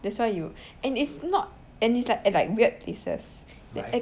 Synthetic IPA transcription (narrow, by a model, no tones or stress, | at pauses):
dɛtswaɪju | ɛ̃nitsnɔt̚ | ɛ̃nislakɛlaɪk̚wiət̚pʰlesə̰s | dɛ